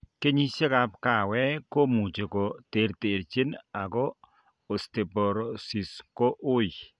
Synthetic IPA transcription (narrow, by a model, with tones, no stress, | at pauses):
ke˦ɲi˦se˦ka˦pka˦˨wɛ˦ko˦mu˨t͡ʃe˨ko˨te˨ɾte˨ɾt͡ʃe˦na˨ɡɔː˦˨ | ste˨pɔ˨ɾɔ˨si˨sko˦ʔʊ˦j